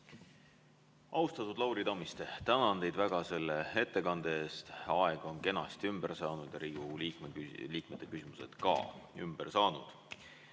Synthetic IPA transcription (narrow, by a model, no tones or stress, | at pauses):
ʔɑust̪ɑt̪ːˑud̪lɑwɾid̪ɑmist̪et̪ænɑnd̪e̞jd̪væɡ̥ɑse̞lːee̞t̪ːe̞kɑnd̪̥ee̞ːst̪ɑeɡ̥o̞nke̞nɑst̪iymb̥e̞rsɑːnud̪̥jɑɾiːɡ̥uliːkmeliːkmet̪ːˑe̞kysimuse̞̰d̪̥kɑ̰ːymb̥ersɑːnṵd̪̥